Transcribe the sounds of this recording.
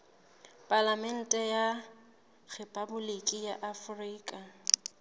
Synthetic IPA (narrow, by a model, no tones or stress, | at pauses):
pʼalamɛn̩tʼɛja | ɣepʼabʊlekʼijaʔafriːkʼa